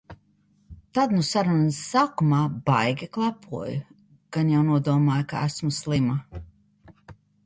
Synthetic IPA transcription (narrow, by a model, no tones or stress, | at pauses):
t̪ad̪nusaɾunsːakumɑːbajɡʲiklˠapʰuɔj | ɡ̥anjawnuɔd̪uɔmaːjka̰æ̰smuslˠima